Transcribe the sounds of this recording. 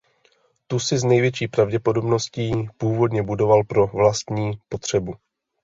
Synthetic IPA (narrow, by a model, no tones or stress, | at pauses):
t̪usɪznɛjvjɛt͡ʃiːpɾavɟɛpo̞do̞bno̞sciːpuːvo̞dɲɛbudo̞valpɾo̞vlast̪ɲiːpo̞t̪r̝̥ɛbu